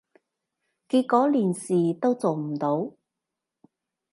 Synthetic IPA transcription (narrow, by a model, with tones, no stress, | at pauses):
kiː˧t̚kɔː˨˥liː˨˩nsiː˨t̪o˥wt͡so˨wm̩˨˩t̪o˨˥w